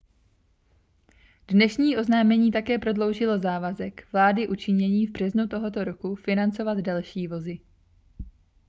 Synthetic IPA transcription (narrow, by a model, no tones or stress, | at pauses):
dnɛʃɲiːʔo̞znaːmɛɲiːt̪̬akɛːpɾo̞dlo̞wʒɪlo̞zaːvazɛkvlaːdɪʔut͡ʃɪɲɛɲiːvbr̝̥ɛznut̪o̞ɦo̞t̪o̞ɾo̞kufɪnant͡so̞vad̪dalʃiːvo̞zɪ